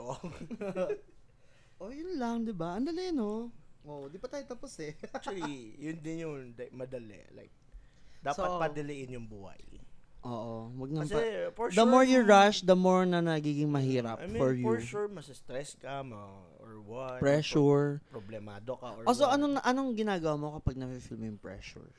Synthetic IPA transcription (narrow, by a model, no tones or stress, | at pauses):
ʔo | ʔojʊnlɐŋd̪ɪbaʔɐnd̪ɐlɪɪnoʔoʔd̪ibɐt̪aːjot̪aposɛljʊnd̪ɪnjʊŋd̪ɐmɐd̪ɐlɛ̰la̰jk̚ | d̪aːsɐtpɐd̪ɐlɪʔɪnjʊŋbuːha̰jʔoːʔowɐɡ̚nɐɐsfd̪ɐmoɹjʊɹaʃd̪ɐmoɹnɐnɐɡiːɡɪŋmɐɦiːɾɐpmfɔɹjuʃuɹmɐsɪst̪ɾɛskɐmɐ | ɔɹwapɹɛʃuɹpɾoblɛmaːd̪okɐʔoʔosoʔɐnoŋʔɐnoŋɡɪnaːɡɐwaːmokɐpaɡ̚nɐfifilmojʊŋpɹɛ̰ʃʊ̰ɹ